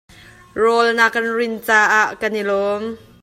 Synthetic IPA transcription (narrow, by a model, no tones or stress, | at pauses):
rɔlnakːɐnrɪnt͡saːʔaːʔkɐnilɔːm